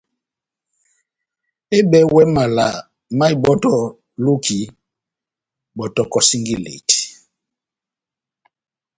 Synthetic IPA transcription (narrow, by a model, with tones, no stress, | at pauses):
e˦ɓɛ˦wɛ˦ma˨la˨ | ma˦i˨bɔ˦tɔ˦ | lu˦kʰi˨ | bɔ˨tɔ˨kɔ˨si˦ŋɡi˦lḛ˨ti̥˨